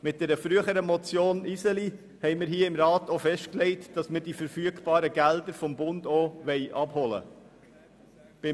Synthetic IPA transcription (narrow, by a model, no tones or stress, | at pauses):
mɪt̚d̥ɛɾəfɾyəχəɾəmɔt͡sjoːnisəli | hɛɪmɪɾɦiːəɪmɾɑːtʰofɛʃt̚klɛɪtd̥ɑsməɾd̥ifəɾfyəɡb̥ɑːɾəɡældəɾfɔmbʊnd̥oːʋɛɪʔɑbhɔlə̰ | b̥ɪ